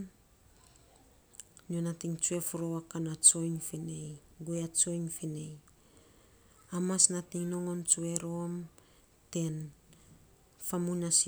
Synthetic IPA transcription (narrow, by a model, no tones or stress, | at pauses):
nionatiŋt͡ʃue̞foɾo̞wakanat͡ʃo̞jŋfinej | ɡoeat͡ʃo̞jŋfine̞j | amasnatiŋno̞ŋo̞nt͡ʃue̞ɾo̞m | te̞n | famunas